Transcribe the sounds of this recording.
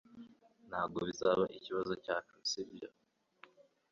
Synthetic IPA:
n̥haːbɡo̞βizaβaʔiciβazo̞caːfiisibia̰

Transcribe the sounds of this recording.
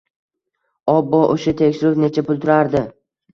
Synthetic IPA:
ɒbːɒʔoʃat̪ʰekʲʃɪɾʊpne̞t͡ʃʰapʊlˠt̪ʰʊɾaɾd̪ɪ

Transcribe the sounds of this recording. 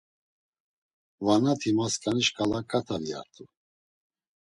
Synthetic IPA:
vanat̪ʰimaskʼaniʃkʼalakʼat̪ʰavia̰ɾt̪ʰʼu

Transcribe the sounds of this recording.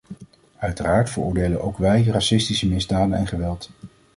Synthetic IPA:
œɥtəraːɹtfərʊ̰ːɹdejlənʔowkʋɛjrasɪstisəmɪzdaːdənɛ̰nχəʋɛlˠt

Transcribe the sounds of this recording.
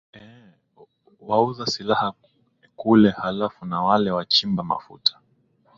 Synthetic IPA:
ɛ | wauðasilaha | kulɛhalafunawalɛwat͡ʃimbama̰fṵtʰḁ

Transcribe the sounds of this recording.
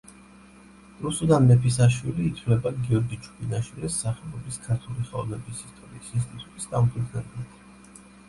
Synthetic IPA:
ɾusud̪anmɛpʰis̬aʃwiliːt̪ʰvlɛbaɡiɔɾɡit͡ʃʰu̥bʰinaʃwilisːaχɛlˠɔbiskʰaɾt̪ʰuliχɛɔvnɛbisist̪ʼɔɾiːsinst̪ʼit̪ʼut̪ʼisd̪amtʰid̪nɛblit̪ʰ

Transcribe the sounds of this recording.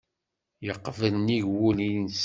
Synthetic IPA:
jəqːvənnːiʝwulins

